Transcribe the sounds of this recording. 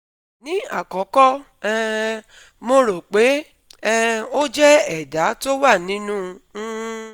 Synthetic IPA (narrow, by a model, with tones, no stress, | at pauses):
nĩ˨˦a̰˦˨kɔ˨˦kɔ˦ | ɛ˦ | mo˧ɾo˨k͡pe˨˦ | ɛ˦o˦d͡ʒɛ˦ɛ˦˨da˨˦to˦wa˦˨nĩ˨˦nũ˦